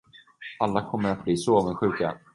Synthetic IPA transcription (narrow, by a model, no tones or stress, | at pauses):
alːakʰɔmːəɾat̪̚bliːsɔoːvənɧʉ̟ːka